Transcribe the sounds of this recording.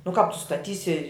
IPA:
nʊ kɑːp tʊ stɐˈtʲiːsʲɪ

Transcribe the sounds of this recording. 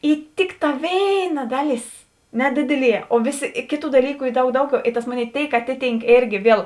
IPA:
ɪ ˈtʲɪkˌtɑː ˈʋʲeːɪˌnɐ ˈdɑːˌlʲeːs ˈnʲæːdʲɪdʲɪˌlʲiɛ oː ˈʋʲeːˌsʲɪ ˈkʲeːˌtuː dɐˈlʲiːkʊ ˈiː ˈdɐʊk ˈdɐʊˌɡʲɛʊ ɪ tɐs ˈmoːˌnʲeːɪ ˈtʲeːɪk ˈɑːtʲɪˌtʲiːŋk ˈeːrʲɡʲɪ ˈʋʲiɛlˠ

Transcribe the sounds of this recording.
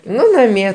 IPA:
ˈnʊ nɐˈmʲiɛ

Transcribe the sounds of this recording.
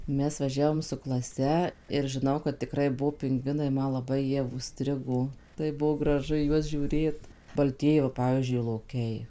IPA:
ˈmʲɛs ʋɐˈʒʲæːʋoːm sʊ klˠɐˈsʲɛ ɪr ʒʲɪˈnɐʊ kɐt tʲɪˈkrɐɪ ˈbuɔ pʲɪŋˈɡʋʲɪnɐɪ ˈmɐ lˠɐˈbɐɪ ˈjiɛ ʊʃʲˈsʲtʲrʲɪɡoː ˈtɐɪp ˈbuɔ ɡrɐˈʒʊ iː ˈjuɔs ʒʲuːˈrʲeːt bɐlʲˈtʲiɛjɪ ʋɐ ˈpɑːʋʲiːzʲd͡ʒʲʊɪ lˠoːˈkʲɛɪ

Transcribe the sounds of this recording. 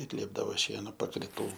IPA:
ɪr ˈlʲiɛbdɐʋoː ˈʃʲiɛnoː pɐkrʲɪˈtuː

